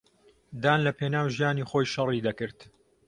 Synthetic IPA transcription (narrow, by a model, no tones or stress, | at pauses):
d̪aːnlɐpʰeːnaːwʒijaːniːxoːjʃɐrid̪ɐkɨɾt̪